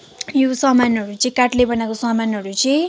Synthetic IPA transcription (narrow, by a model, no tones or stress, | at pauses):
josʌmanɦʌɾut͡sʌ̃kaʈlebʌnakosʌmanɦʌɾut͡sʌ̃